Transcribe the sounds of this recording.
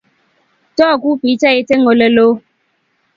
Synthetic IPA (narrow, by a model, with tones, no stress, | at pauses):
tɔː˦˨ku˦pi˨˦ta˦e˦te˦ŋo˨lə˨lo˦